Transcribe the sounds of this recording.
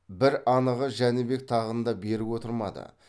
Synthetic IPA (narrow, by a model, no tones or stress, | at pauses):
bɪɾɑnəʁəʒænɪbe̞k̚t̪ʰɑʁənd̪ɑbe̞ɾɪwot̪əɾmɑ̰d̪ə̰